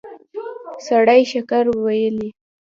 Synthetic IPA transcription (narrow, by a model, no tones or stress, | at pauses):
saɽajʃakaɾwajəli